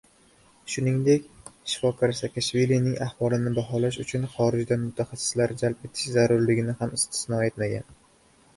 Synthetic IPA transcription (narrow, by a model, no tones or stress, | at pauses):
ʃʊnɪŋd̪e̞kʲʃɪ̥fɒkʰaɾsakʰaʃvilinɪŋahwɒlˠɪnɪbaɦɒlaʃ̬ʊt͡ʃʰʊnχɒɾɪd͡ʒd̪anmʊt̪ʰaχasːɪ̥slaɾd͡ʒalpe̞t̪ʰɪ̥ʃzaɾʊɾlɪɡʲɪnɪhamɪst̪ʰɪ̥snɒe̞t̪maɡʲa̰n